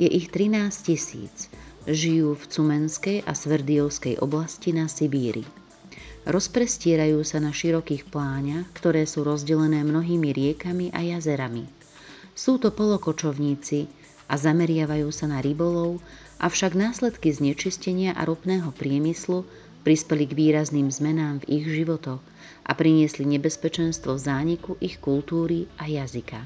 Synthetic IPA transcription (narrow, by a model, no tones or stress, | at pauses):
jɛʔixt̪ɾinaːscisḭːt͡sʒijuːft͡sumɛnskɛjʔa̰sʋɛɾd̪iɔʊskɛjʔɔ̰blascinasibiːɾḭ | ɾɔspɾɛscɪɛɾajuːsanaʃiɾɔkiːxplaːɲaxkt̪ɔɾɛːsuːɾɔzɟɛlɛnɛːmnɔɦiːmiɾɪɛkamiʔajazɛɾami | suːt̪ɔpɔlɔkɔt͡ʃɔʊɲiːt͡si | ʔazamɛɾɪaʋajuːsanaɾibɔlɔʊ | ʔafʃaɡnaːslɛt̪kizɲɛt͡ʃiscɛɲɪaʔa̰ɾɔpnɛːɦɔpɾɪɛmislu | pɾispɛliɡʋiːɾazniːmzmɛnaːmviɣʒiʋɔt̪ɔɣ | ʔa̰pɾiɲɪɛsliɲɛbɛspɛt͡ʃɛnst̪ʋɔvzaːɲikuʔixkult̪uːɾiajazika̰